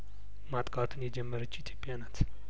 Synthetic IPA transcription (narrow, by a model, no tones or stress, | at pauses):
mat̪ʼkʼat̪ʰunjɛd͡ʒɛmːəɾət͡ʃːit̪ʰjo̞pʼjanat̪